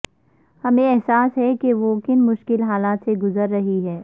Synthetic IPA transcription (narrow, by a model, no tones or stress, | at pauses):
hɐmẽɛɦsaːsɦɛkeʋokɪnmʊʃkɪlɦaːlaːt̪seɡʊzəɾːɐɦiɦɛː